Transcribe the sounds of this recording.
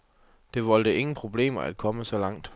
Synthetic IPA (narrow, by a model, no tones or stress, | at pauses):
d̥e̝ʋɒ̽l̰d̥əe̝ŋn̩pʰʁo̝b̥le̝̰ːmɐæd̥̚kʰɒ̽məsɒ̽lɑ̈ŋ̰d̥